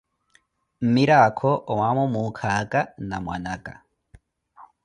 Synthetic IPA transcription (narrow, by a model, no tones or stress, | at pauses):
m̩miɾakʰɔʔwamomukʰakʼanamwa̰nakʼa̰